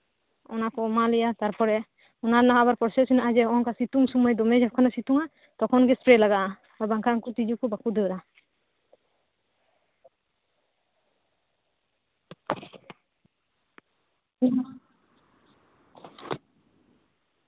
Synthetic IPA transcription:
ɔnakɔmalɛjat̪aɾpɔɾɛ | ɔnaɾnaɦabaɾpɔɾsɛsinaʔad͡ʒɛɔnkasit̪uŋsumajd̪ɔmɛd͡ʒap̚kʰanasit̪uŋa | t̪ɔkʰɔnɡɛspɾɛlaɡaʔ | abaŋkʰaŋkɔt̪id͡ʒukɔbakud̪əɾa

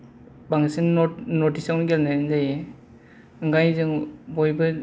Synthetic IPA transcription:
baŋsɯnnɔnɔtisawnɡɛlnajnzaje | ɯŋɡajzɯŋbɔjbɯ

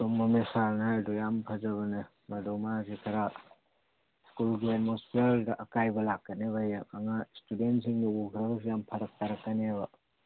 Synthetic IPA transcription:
dombɐmesalnɐɦajdojampʰɐzɐβɐnɐ | mɐdomazikʰɐɾa | skulɡienmosialdɐʔɐkajbɐlakːɐnebajaɐŋastudentsiŋniuɡʱɾɐbs̬ejampʰɐɾɐk̚taɾɐkːɐneβɐ

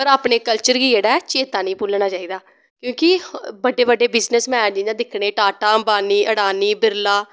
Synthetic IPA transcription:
pəɾaːpɳeːkəlt͡ʃəɾɡiːd͡ʒeːɽaːɛːt͡ʃeːt̪aːnĩːpuːlnaːt͡ʃaːiːd̪aː | kjõːkɪbəɖeːbəɖeːbɪznəsmɛːnd͡ʒĩːd̪ãd̪ɪkʰɽẽːʈaːʈaːəmbaːniːʔəɽaːniːbɪɾlaː

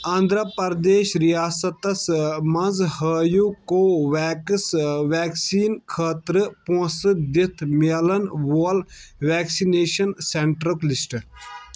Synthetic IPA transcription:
aːnd̪ɾɐpɐɾd̪eːʃɾijaːsɐt̪ɐsmɐnzhəːjukoːʋɛːksʋɛːksiːnkʰəːt̪ɾɨpõːsɨd̪it̪ʰmelɐnʋoːlʋɛːksineːʃɐnseɳʈɾɐklisʈ

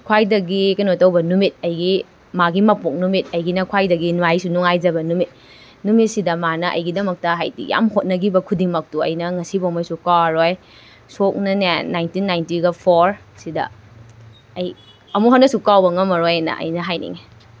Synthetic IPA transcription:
kʰwajdɐɡikɐnotɐwbɐnumit̚ɐjɡi | maɡimɐpok̚numit̚ɐjɡinɐkʰwajdɐɡinuajsunuŋajd͡ʒɐbɐnumit̚ | numit̚sidɐmanɐʔɐ̰jɡidɐmɐk̚tɐɦajdḭja̰mhot̚nɐɡibɐkʰudiŋmɐk̚tuɐ̰jnɐŋɐsibomojsukawɐɾoj | sok̚nɐnenajntinːajntiɡɐpʰoɾ | sidɐ̰ | ɐj | ɐmuɦonːɐsukawbɐŋɐmɐɾojnɐ̰ʔɐ̰jnɐɦajnḭŋe

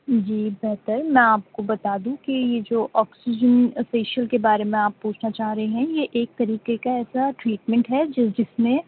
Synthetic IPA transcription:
d͡ʒiːbɛɦt̪əɾmɛ̃aːp̚kobɐt̪aːd̪ũkijed͡ʒoːʔɔːksɪd͡ʒənseːʃəlkebaːɾemẽaːpːuːt͡ʃʰnat͡ʃaːɦɾɐɦeɦɛ̃jeʔeːk̚t̪ɐɾiːkekaɛːsaʈɾiːʈmɛ̃ɳʈɦɛd͡ʒɪd͡ʒɪsmẽ

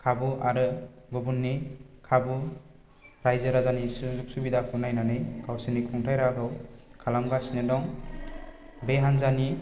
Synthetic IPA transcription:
kʰabuʔaɾɯ | ɡubunːikʰabu | ɾajzɯɾazanisuzuk̚subidakʰunajnanɯjkʰawsenikʰuŋtʰajɾabɯwkʰalamɡasinedɔŋ | beɦanzani

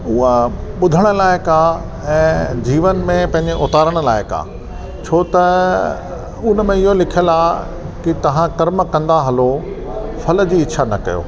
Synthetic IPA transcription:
ʊaɓʊd̪ʱəɽ̃ə̆laːɪkaː | ɛ̃ːd͡ʑiːʋənmẽpɐ̃ɦɪ̃ɲ̆d͡ʑeʔʊt̪aːɾəɽ̃̆laːɪka̰ː | t͡ɕʰoːt̪ɐ | ʊnmẽɪɦolɪkʰjəlaː | kit̪ɐʋ̤ãkɐɾmə̆kɐ̃nd̪aɦɐlo | fʰɐlə̆d͡ʑiːɪːanɐkɐ̰jo̰ː

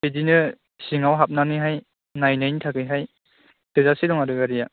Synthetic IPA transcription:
bidinɯ | siŋawɦap̚nanɯɦaj | najnɯjnitʰakɯjɦaj | dɯzasidɔŋaɾɯɡaɾija

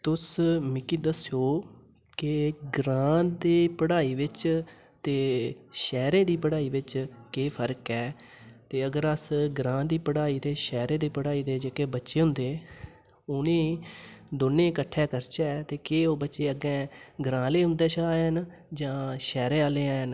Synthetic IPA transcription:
t̪ʊsmɪkiːd̪əsjoː | kɪɡɾãːd̪eːpəɽaːiːʋɪt͡ʃ | t̪eːʃɛːɾẽːd̪iːpəɽaːiːʋɪt͡ʃkeːpʰəɾkɛː | t̪eːəɡəɾəsɡɾãːd̪iːpəɽaːiːt̪eːʃɛːɾẽːd̪iːpəɽaːiːd̪eːd͡ʒeːkeːbətːʃeːɦʊ̃nd̪eː | ʊnẽːd̪ʊnːẽːkəʈʰːɛːkəɾt͡ʃɛːt̪eːkeːoːbətːʃeːəɡɛ̃ːɡɾãːleːɦʊ̃nd̪ɛːt͡ʃʰaːɦn | d͡ʒãːʃɛːɾeːaːleːɛːn

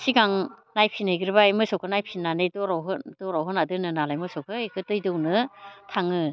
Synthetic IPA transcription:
siɡaŋnajpʰinɯjɡiɾɯbajmɯsɔkʰɯnajpʰinːanɯjdɔɾawɦɯdɔɾawɦɯnadɯnɯnalajmɯsɔkʰɯkʰɯtɯjdɯwnɯtʰaŋɯ

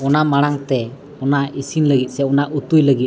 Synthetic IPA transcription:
ɔnamaɽaŋt̪ɛ | ɔnaisinləɡit̪̚sɛɔnaʔut̪ujləɡit̪̚

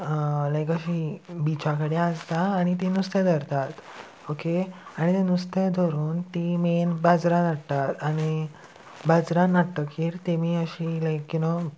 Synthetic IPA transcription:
lajkəɕiːbit͡ɕakəɽead͡zt̪aːɽ̃it̪enust̪ed̪ʱəɾt̪at̪ | okeaɽ̃it̪enust̪ed̪ʱəɾuːnt̪imenbad͡zɾad̪əɽt̪at̪aɽ̃i | bad͡zɾanaʈəkʰiːɾt̪emiːəɕiːlakːuno

